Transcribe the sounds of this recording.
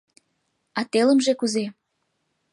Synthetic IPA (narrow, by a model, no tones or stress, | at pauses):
ɑt̪elə̆mʒekuze